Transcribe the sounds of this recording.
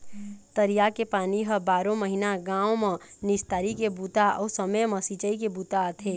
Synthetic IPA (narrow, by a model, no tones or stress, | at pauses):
t̪əɾijakepaːniɦɐbaːɾõməɦinaɡãːwmɐ̃nɪst̪aːɾikebuːt̪aɔːsəməjmɐ̃sit͡ʃəikebuːt̪at̪ʰeː